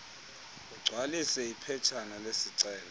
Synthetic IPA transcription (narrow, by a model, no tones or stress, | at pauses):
uɡ͡ǀʱwalisɛipʰɛt͡ʃʰanalesiǀɛːlɔ